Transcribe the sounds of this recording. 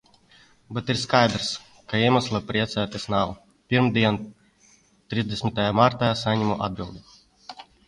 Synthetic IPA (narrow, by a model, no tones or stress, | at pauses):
bɛt̪iɾskajd̪ɾs | kaiɛmaslˠapɾiɛt̪sæːt̪ʲɛsnaw | pʲiɾmd̪ʲiɛn | t̪ɾizd̪esmʲit̪ajamaɾt̪asaɲʲimuʔa̰d̪̚bʲilˠd̪i